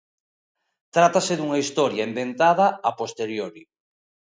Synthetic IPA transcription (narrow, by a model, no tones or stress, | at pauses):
t̪ɾat̪asɪðuŋaist̪ɔɾjaembent̪að̞ɐapost̪eɾjoɾi